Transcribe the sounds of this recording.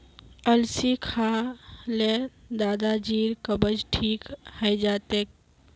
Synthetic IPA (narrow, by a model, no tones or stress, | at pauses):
əlsikʰaːled̪aːd̪ad͡ʒiːɾkəbəd͡ʒʈʰiːkhəjd͡ʒaːt̪eːk